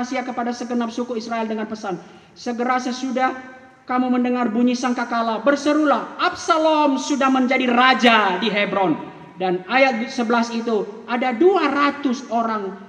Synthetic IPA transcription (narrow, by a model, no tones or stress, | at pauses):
siakəpadasəɡənap̚sukuisraɛldəŋanpəsan | səɡəɾasəsudah | kamuməndəŋarbuɲisaŋkakalabərsəɾulahʔap̚salɔmsudahməɲd͡ʒadirad͡ʒadiɦebɾɔn | danajat̪̚səbəlasit̪uadaduarat̪ʊsoɾaŋ